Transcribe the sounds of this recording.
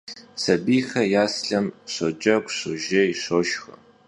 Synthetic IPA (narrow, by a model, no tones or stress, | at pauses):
sɐbiːxɐjaːsɬɐmɕʷod͡ʒʼɐɡʷɕoʒɐiɕoːʃxɐ